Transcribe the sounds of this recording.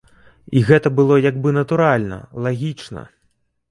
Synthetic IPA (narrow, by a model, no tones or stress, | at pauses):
iɣɛt̪ɐbɨlˠɔjaɡbɨnɐt̪uɾalʲnɐ̰lˠaɣʲit͡ʂnɐ̰